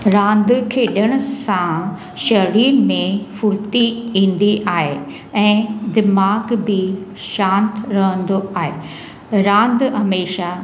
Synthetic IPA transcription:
ɾãːnd̪kʰeːɗəɽ̃ʊ̆sã | ʃɐɾiːɾmẽfʊɽt̪iĩːn̆d̪iʔaːɦe | ɛ̃ːd̪ɪmaːɡbɪ | ʃãːnt̪ɾɐɦə̃nd̪oaːɦeː | ɾãːnd̪ɦɐmeːʃa

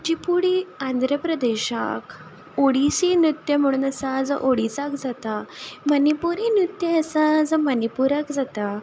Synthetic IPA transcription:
d͡ʑipuɽiand̪ʱɾəpɾəd̪eɕa̰k | oɽisinjut̪ːjəm̤əɽ̃uːnəsad͡zə̰ʔoɽit͡sakd͡zat̪amənipuɾinɾut̪jəəsãd͡zəmənipuɾakd͡zat̪a

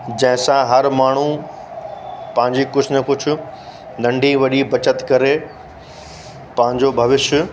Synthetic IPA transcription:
d͡ʑɐ̃ɦɪ̃sãɦɐɾmaːɳ̤u | pɐ̃ɦɪ̃ɲd͡ʑikʊd͡ʑʰʱnɐkʊd͡ʑʱʰʊ̆ | nɐ̃ɳɖʱĩʋɐɗibɐt͡ɕət̪kɐɾe | pɐ̃ɦɪ̃ɲd͡ʑobʱɐʋɪʃjə

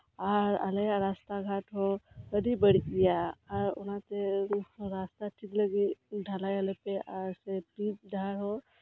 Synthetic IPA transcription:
aːɾa̰leɾaːst̪aɡʱaʈɦoəɖibəɽ̤ikijaaːɾʊ̰nat̪eɾast̪aʈʰikləɡiɖʱalajəlepeʔaːɾsepɾitɖʱaːɾɦo

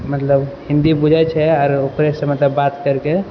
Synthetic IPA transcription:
mət̪ləbhĩnd̪ibud͡ʒʱɛt͡ʃʰɛɔːɾokɾesəmət̪ləbːat̪kəɾke

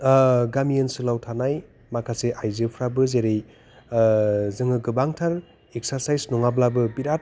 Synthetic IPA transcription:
ɡamijensɯlawtʰanaj | makʰaseʔajzɯpʰɾabɯzeɾej | zɯŋɯɡɯbaŋtʰaɾ | ek̚saɾsajsnɔŋablabɯbiɾat̚

